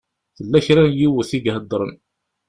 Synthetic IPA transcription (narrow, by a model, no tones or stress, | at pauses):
θəlːæçɾænjiwəθiɡɦəd̪ˤːɾˤən